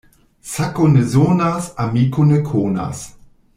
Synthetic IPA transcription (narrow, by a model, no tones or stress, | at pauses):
sakonəzoːnasamiːkʰʊnəkʰoːna̰s